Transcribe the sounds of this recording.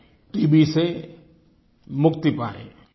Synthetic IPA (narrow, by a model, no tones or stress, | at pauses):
ʈiːbise | mʊkt̪ipaːḛ